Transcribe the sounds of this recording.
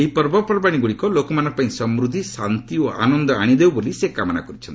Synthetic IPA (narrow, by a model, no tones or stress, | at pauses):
eɦipɔɾbɔpɾɔbaɽ̃iɡuɽikɔlokɔmanɔpaĩsɔmɾud̪ʱisant̪ioʔa̰nɔnd̪ɔaɽ̃id̪ewbolisekamɔna̰kɔɾit͡ʃʰɔnt̪